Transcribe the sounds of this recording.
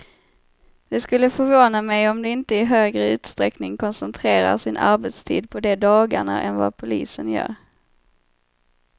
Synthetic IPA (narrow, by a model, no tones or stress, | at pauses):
d̪̥ɛskɵlːəfœɾvoːnamɛjɔmd̪ɛɪnt̪əɪɦøːɡɾəʉ̟ːt̪st̪ɾɛknɪŋkʰɔnsɛnt̪ʰɾeːɾa̰ɾʂɪnʔa̰ɾbɛt̪st̪ʰḭːd̪̚pʰɔd̪ɛd̪ɑːɡaɳa̰ʔɛnva̰pʰʊliːsənjœ̰ːɾ